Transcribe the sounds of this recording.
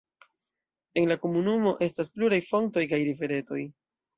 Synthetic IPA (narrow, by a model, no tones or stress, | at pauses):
e̞nlako̞munumo̞ʔe̞staspluɾajfo̞ŋto̞jkajɾife̞ɾe̞to̞j